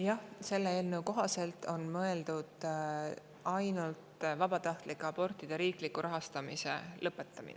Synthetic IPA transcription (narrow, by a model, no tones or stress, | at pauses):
jɑhse̞lːeeːlnəwko̞ɦɑse̞lt̪o̞nmɤe̞ld̪̥ud̪̥ | ɑjnult̪vɑb̥ɑt̪ɑht̪likːˑɑpo̞rt̪ːˑid̪̥eɾiːklikːˑuɾɑɦɑst̪ɑmise̞̰lɤpːˑe̞t̪ˑːɑmḭnḛ